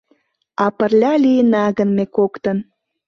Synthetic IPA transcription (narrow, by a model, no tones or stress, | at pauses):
ɑpə̆rlʲɑlijənɑɣənmekokt̪ən